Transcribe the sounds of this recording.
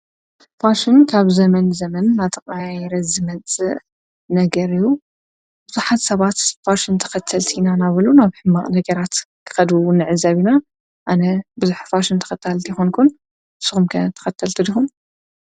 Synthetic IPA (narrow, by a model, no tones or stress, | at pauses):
faʃɪnkʰaβzɐmɐnzɐmɐnːat̪ʰɐqʼajɾɐzɨmɐt͡sʼɨ | nɐɡɐɾiju | bɨzuħat̪sɐβat̪faʃɪnt̪ʰɐ̥xɐt̪ʰːɐlt̪ʰinanaβɨlunaβħɨmːaʔʼnɐɡɐɾat̪kʰɨ̥xɐd̪unɨʕɨzaβina | ʔanɐbɨzuħfaʃɪnt̪ʰɐ̥xɐt̪ʰːalt̪ʰijxonkʰun | ɨsɨxumkʰɐt̪ʰɐ̥xɐt̪ʰːɐlt̪ʰid̪ixum